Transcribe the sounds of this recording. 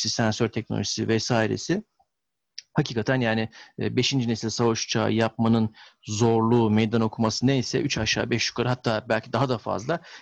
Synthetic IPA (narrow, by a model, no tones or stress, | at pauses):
sisænsøɾt̪ʰɛc̚no̰lʲoʒi̥sivɛsaːjiɾḛsɪ | hacʰiːkʰat̪ʰænjaːnɪbe̞ʃind͡ʒinesilʲsavaʃt͡ʃʰa̰jap̚manɯnzo̞ɾlˠuːmejd̪ano̞kʰumasɯnejsɛ̰ʔyt͡ʃʰaʃa̰ːbɛʃju̥kʰaɾɯɦat̪ʰːaːbælʲcʰid̪aɦad̪afa̰zlˠa